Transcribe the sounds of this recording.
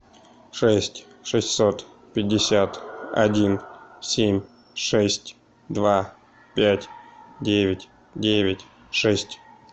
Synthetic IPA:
ʂɛsʲtʲ | ʂɨsʲtʲsot̪ | pʲɪdʲːɪsʲat̪ɐ̰dʲinsʲemʲ | ʂɛsʲtʲ | d̪va | pʲætʲdʲevʲɪtʲ | dʲevʲɪtʲ | ʂɛsʲtʲ

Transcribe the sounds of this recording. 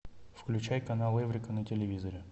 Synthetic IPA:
fklʲʉt͡ɕæjkɐnalˠevɾʲɪkənətʲɪlʲɪvʲizəɾʲɪ

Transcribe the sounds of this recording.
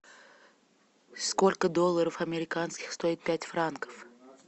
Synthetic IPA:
sko̞lʲkəd̪olˠːəɾəfɐmʲɪɾʲɪkanskʲɪxst̪o̞ɪt̪̚pʲætʲfrankə̥f

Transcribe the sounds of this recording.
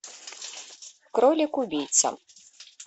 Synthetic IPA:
kɾɔlʲikubʲijt̪sɐ̰

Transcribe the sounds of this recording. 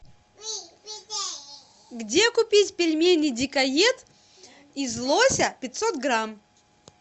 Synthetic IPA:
ɡdʲekʊpʲitʲpʲɪlʲmʲenʲːɨjdʲɪkɐjet̪ | izlˠosʲəpʲɪt̪ʲsot̪ɡɾam

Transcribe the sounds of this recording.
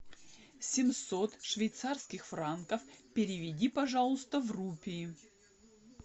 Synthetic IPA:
sʲɪmsot̪ʂvʲɪjt̪sarskʲɪxfɾankəfpʲɪɾʲɪvʲɪdʲipɐʐalˠʊst̪əvrupʲɪɪ

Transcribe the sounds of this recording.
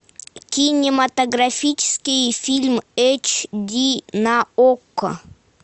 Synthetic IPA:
kʲinʲɪmɐt̪ɐɡɾafʲit͡ʃɪ̥skʲijfʲilʲmet͡ɕd̪ʲinaokː

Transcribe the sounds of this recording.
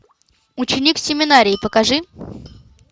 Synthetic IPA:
ʊt͡ɕɪnʲiksʲɪmʲɪnaɾʲɪɪpəkɐʐɨ

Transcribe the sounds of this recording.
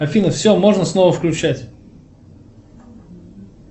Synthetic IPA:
ɐfʲinəfsʲomo̞ʐnəsno̞vəfklʲʉt͡ɕætʲ

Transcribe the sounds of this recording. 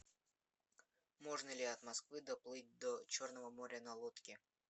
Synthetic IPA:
mo̞ʐnəlʲɪɐt̪mɐskvɨd̪ɐplˠɨt̚ʲd̪ot͡ɕo̞rnəvəmoɾʲənɐlˠot̪kʲɪ

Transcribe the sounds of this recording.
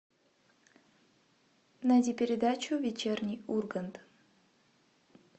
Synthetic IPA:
nadʲipʲɪɾʲɪd̪at͡ɕuvʲet͡ɕernʲijurɡənt̪

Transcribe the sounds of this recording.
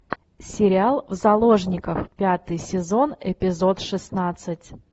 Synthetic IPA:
sʲɪɾʲɪalˠvzɐlˠo̞ʐnʲɪkəfpʲat̪ɨjsʲɪzo̞nɪpʲɪzo̞t̪ʂɨsnat̪sɨtʲ

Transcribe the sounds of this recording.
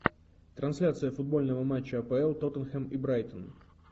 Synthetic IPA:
t̪ɾɐnsʲlʲat̪sɨjəfʊd̪̚bo̞lʲnəvəmat͡ɕːəɐpɛɛlˠt̪ot̪ənxɛmibɾajt̪ən

